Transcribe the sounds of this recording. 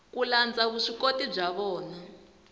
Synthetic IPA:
kuland͡zaβuʂikotib͡ʐaβɔːna

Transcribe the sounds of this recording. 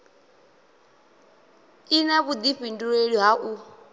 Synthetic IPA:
inaβud̪iɸinduɺeɺiɦaʔu

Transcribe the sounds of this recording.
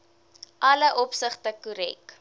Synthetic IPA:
ʔɐləʔɔpsəχtəkuɾɛk

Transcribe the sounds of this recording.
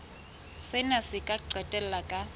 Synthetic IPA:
sɪnasɪkʼaǀɛtʼɛl̩lakʼa

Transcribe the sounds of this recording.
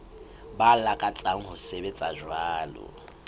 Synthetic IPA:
balakʼat͡sʼaŋ̩ɦʊsebet͡sʼaʒwaːlʊ̰

